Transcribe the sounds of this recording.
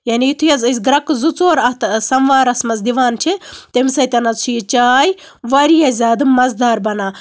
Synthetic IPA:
jaːniit̪ʰujɐzɨs̬ʲɡɾɐkzut͡soːɾɐt̪sɐmʋaːɾɐsmɐzd̪iʋaːnt͡ʃʰit̪emsɐjt̪ɐnɐzt͡ʃʰujit͡ʃaːj | ʋɐɾijazʲaːd̪ɨmɐzd̪aːɾbɐnaː

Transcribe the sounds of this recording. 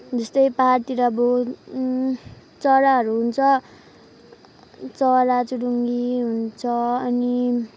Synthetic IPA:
d͡zʌst̪ʌjpaɦart̪iɾabo | t͡sʌɾaɦʌɾuɦunt͡sʰʌ | t͡sʌɾat͡suɽuŋɡiɦunt͡sʰʌʌni

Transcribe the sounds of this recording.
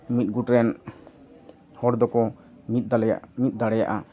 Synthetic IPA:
mit̪̚ɡuʈɾɛn | hɔɾd̪ɔkɔ | mit̪̚mit̪̚ˀd̪aɽɛja̰ʔa

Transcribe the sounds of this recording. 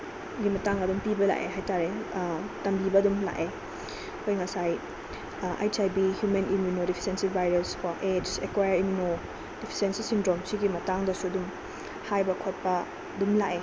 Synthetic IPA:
ɡimɐtaŋɐdumpibɐla̰ʔeɦajtaɾetɐmbibɐɐdumla̰ʔe | kʰojŋasaj | a̰jt͡ʃajbihjumenimjunodipʰi̥sensibajɾeskwaʔed͡ʒekwajɐɾimjuno | d̥ipʰi̥sensisindɾomsiɡimɐtaŋdɐsuɐdum | hajbɐkʰot̚pɐ | dumla̰ʔe

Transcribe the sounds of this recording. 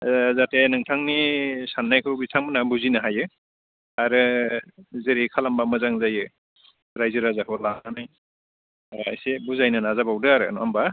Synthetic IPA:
zatenɯŋtʰaŋnisanːajkʰɯwbitʰaŋmɯnabuzinaɦajɯ | aɾɯ | zeɾikʰalambamɯzaŋzajɯ | ɾajzɯɾazakʰɯlaanaj | a̰jsebuzajnɯnazabawdɯaɾɯ̰namba

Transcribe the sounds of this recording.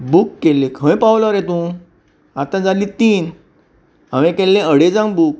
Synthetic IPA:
bukːelːẽkʰə̃jpawlɔɾet̪ũ | at̪ãd͡zalit̪iːn | aʋẽkɛlːẽəɽed͡zãŋɡbuk̚

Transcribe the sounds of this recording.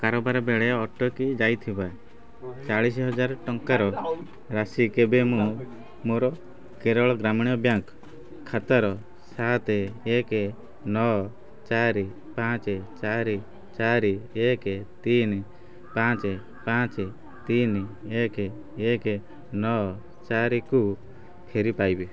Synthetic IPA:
kaɾɔbaɾɔbeɭɛɔʈɔkid͡ʒajt̪ʰibae | t͡ʃaɭis̬iɦɔd͡ʒaɾʈɔŋkaɾɔ | ɾasikebemũ | moɾɔ | keɾɔɭɔɡɾamiɽ̃ijɔbjaŋk | kʰːat̪ɔɾɔ | sat̪eeke | nɔ | t͡ʃaɾi | pãt͡ʃet͡ʃaɾi | t͡ʃaɾieket̪in | pãt͡ʃe | pãt͡ʃe | t̪ineke | eke | nɔ | t͡ʃaɾiku | pʰeɾipajbi

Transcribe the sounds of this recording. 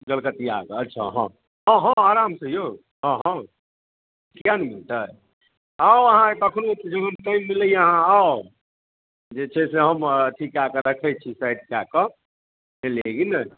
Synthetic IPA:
ɡəlkət̪ia̰ɡətːt͡ʃʰa̰ɦɔ̰̃ | ɦɔ̃ɦɔ̃aɾamsẽjo | ɦɔ̃ɦɔ̃ | kianmilt̪ə | aoəɦãet̪ɔəkʰnoet̪id͡ʒebɦəmʈajmːiləijəɦãao | d͡ʒet͡ʃʰɛseɦəmʈʰikakəɾəkʰɛt͡ʃʰisajɖkeakə | neleɡinə

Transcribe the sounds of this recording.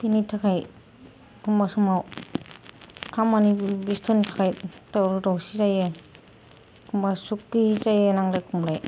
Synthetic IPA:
pinitʰakʰaj | kʰumbasumaw | kʰamanibistʰɔntʰakʰajtawɾuɾawsizaje | kʰumbasukːizajenaŋdajkʰumɾaj

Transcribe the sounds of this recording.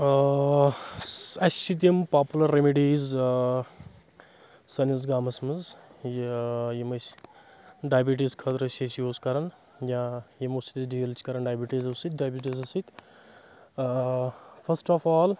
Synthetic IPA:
ɐst͡ʃʰit̪̬jɐmpaːpulɐɾːemiɖiːz | sɐnizɡaːmɐsmɐzjjimɐsʲ | ɖaːbiʈ̬iskʰɐt̪ɾɐsɐsioːskɐɾɐn | jãːjemosit̪iɖiːlt͡ʃʰkɐɾɐnɖaːbiʈiːzusit̪̚ɖaːjbʲiʈ̬izɐsit̪ʲ | pʰɐsʈɔːfaːl

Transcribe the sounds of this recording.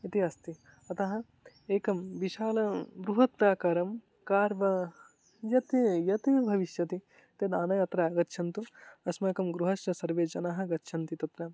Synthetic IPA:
it̪iɐst̪i | ɐt̪ɐɦɐ̆ | eːkɐmʋiʃaːlɐɡɾuɦɐt̪̚pɾaːkaːɾɐm | kaːɾʋɐ | jɐt̪ijɐt̪ibʱɐʋiʃjɐt̪i | t̪ed̪aːnɐjaːt̪ɾaːɡɐt̪ːʃʰɐnt̪uɐsmeːkɐmɡɾuɦɐʃt͡ʃɐsɐɾʋeːd͡ʒɐnaːɦɐ̆ɡɐt̪ːʃʰɐnt̪it̪ɐt̪ɾɐːm

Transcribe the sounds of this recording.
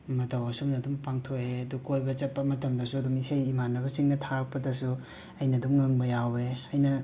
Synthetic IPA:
mɐtɐwɐsumnɐdumpaŋtʰoeɐdukojbɐt͡ʃɐt̚pːɐmɐtʰɐmdɐsuɐdumisajimanːɐβɐsiŋnɐtʰaɾɐk̚pɐdɐsu | ɐjnɐdumːɐŋbɐjaweɐjnɐ

